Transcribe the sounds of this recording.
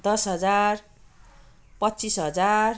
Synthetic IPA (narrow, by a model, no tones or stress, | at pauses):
d̪ʌsɦʌd͡zar | pʌt̪ːt͡sisɦʌd͡zar